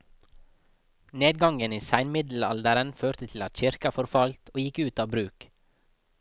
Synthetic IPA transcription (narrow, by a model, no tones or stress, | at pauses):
neːd̪̚ɡɑŋɡəniːsæɪnmɪd̪l̩ɑ̰ld̪əɾənføːɾt̪ət̪ʰl̩ɑt̪çɪɾkɑfɔɾfɑlt̪ʰoːjɪkʉːt̪ɑːbɾʉːk